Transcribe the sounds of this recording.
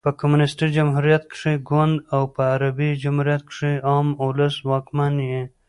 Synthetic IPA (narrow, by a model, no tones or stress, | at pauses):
pɐkɐmunɪsʈid͡ʒɐmɦuɾijat̪̚kʂiɡwɐnd̪awpɐːɾabid͡ʒamhuɾjat̪̚kʂiɑːmʊləswɑːkmanje